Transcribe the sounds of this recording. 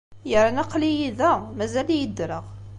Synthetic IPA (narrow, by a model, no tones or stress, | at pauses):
jəɾˤænæqːlijiðæmæzæljəd̪ːɾəʁ